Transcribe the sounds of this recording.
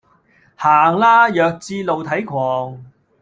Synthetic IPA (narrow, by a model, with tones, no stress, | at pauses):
haː˨˩ŋlaː˥jœː˨˧k̚t͡siː˧lo˨wt̪ʰɐ˨˥jkʷʰwɔː˨ŋ